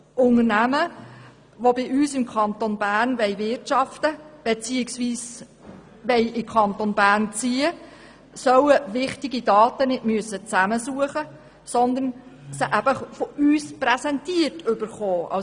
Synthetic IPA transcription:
ʔʊŋənæmə | ʋobɪʔyːsɪmkʰɑnt̪onb̥æːrnʋɛɪʋɪrtt͡ʃɑftəb̥ɛt͡siːɪksʋiːs | ʋɛɪɪkʰɑnt̪onb̥æːɾnt͡siːə | sœwəʋɪχtɪɡidɑːtənɪtmyəsːət͡sæməsuəχə | sɔnd̪ənsəʔæbəχfɔyːspɾɛsɛntiərtʰʏbəɾχoːʔɑ̰

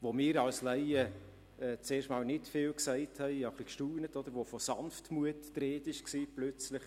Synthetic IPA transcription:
ʋomɪːɾɑwslɛɪə | ɛt͡seːʃtmɑːlnɪtfɪːlksɛɪthɛɪəχlikʃtuːnətod̪əɾʋofosɑnftmuətːɾeːtɪʃksiːplœt͡slɪχ

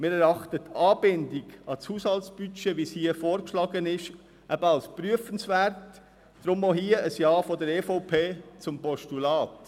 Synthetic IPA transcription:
mɪːɾɛɾɑχtətʰɑːbɪndiɡɑt͡shuːshɑltsb̥yt͡ʃeʋishiəfoːɾkʃlɑːɡənɪʃ | ʔæb̥əɑlspɾyəfənsʋæɾtː | ɾʊmoɦiːəəsjɑːfɔdəɾeːfoʊpʰeːt͡sʊmpɔʃtulɑːt

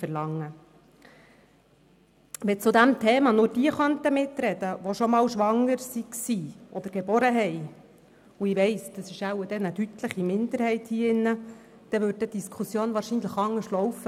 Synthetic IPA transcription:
əɾlɑŋːə | ʋɛt͡sʊd̪æmt̪ʰɛːmɑnʊːɾd̥iəχœnt̪əmɪt̪ɾɛd̥̪əʋoʃɔmɑːwʃʋɑŋːəɾsiksiːʔɔd̪əɾɡ̥ɛbɔɾəɦɛj | uɪʋɛɪsd̥ɑsɪʃæwəd̥ɛnədyt̪ləχimɪnd̪əɾhɛɪthiːɪnːə | d̪̥ɛʋʉɾd̚ɛd̥iskʰχusjoːnʋɑːɾʃiːnləχɑŋːəʃtlɔwfə

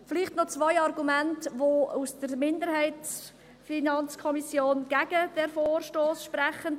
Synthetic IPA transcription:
fɪliχtnɔt͡svaɪɑɾɡumæntʋousd̥əɾmɪndəɾhɛɪts | finɑnt͡skʰɔmisjoːnɡ̥æɡəd̥ɛɾfoːrʃtoːsʃpɾɛχən

